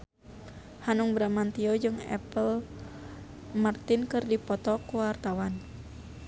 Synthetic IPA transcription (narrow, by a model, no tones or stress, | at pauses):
hanuŋbɾamant̪iɔd͡ʒɨŋɛ̰pəl | mart̪inkɨrdipɔt̪ɔkuwart̪awan